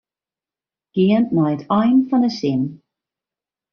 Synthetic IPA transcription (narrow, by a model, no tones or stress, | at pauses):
ɡ̥ɪəntnɔjətʰɔjnfɔndəsɪn